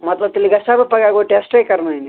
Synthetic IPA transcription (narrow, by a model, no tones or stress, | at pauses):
mɐt̪lɐbt̪ilːiɡɐsabɐpɐɡaːɡoʈesʈɐjkɐɾnaini